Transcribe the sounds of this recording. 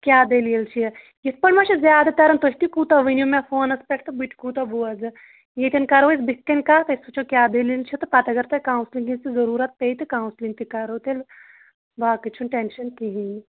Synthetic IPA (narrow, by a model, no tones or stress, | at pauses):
kʲjaːd̪eːlijɐlt͡ʃʰi | jit̪̚ʰpɐɽmɐt͡ʃʰizʲjaːd̪ɐt̪ɐɾɐnt̪oɦʲt̪ikuːt̪ɐʋinjumefoːnɐspʲeʈʰt̪ɨbiʈʰkuːt̪ɐbuɐzɨ | jet̪ʲɐnkɐɾɐʋsbikːɐnʲkaːt̪ɐisut͡ʃʰokʲjaːd̪elilt͡ʃʰit̪ɨpɐt̪ɐɡɐɾt̪ɐkaːwnsliŋɡinst̪izɐɾuːɾɐt̪̚peit̪ɨkaːwnslint̪ikɐɾot̪el | baːkɨt͡ʃʰunʈenʃɐnt̪iɦini